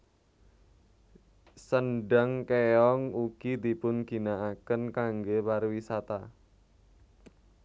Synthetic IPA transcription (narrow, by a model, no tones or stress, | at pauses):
sənɖaŋkeɔŋuɡ̥id̪ipʊnɡ̥i̤naakənkaŋɡepaɾwisat̪a